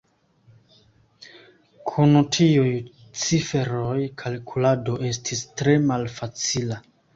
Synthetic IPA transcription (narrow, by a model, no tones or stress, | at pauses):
kʰunutʰiuj | t͡sife̞ɾojkʰalkʰulado̞ʔe̞stʰistɾe̞malfat͡sila